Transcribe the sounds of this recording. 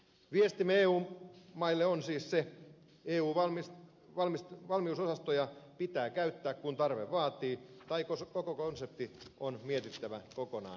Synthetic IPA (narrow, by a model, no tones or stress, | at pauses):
ʋiest̪imeeːuːmmɑilːeonsiːsse | eːuːʋɑmis | ʋɑlmisʋɑlmiusosɑst̪ojɑpit̪æːkæyt̪ːæːkkunt̪ɑrʋeʋʋɑːt̪iːt̪ɑikokokokonsep̚t̪ionmiet̪it̪ːæʋækokonɑ̰ːn